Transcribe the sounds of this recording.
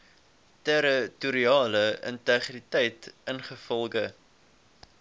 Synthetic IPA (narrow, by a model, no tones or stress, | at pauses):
tɛɾətuɾiɑːləə̰ntɛχritɛjtənχəfɔlˠɡə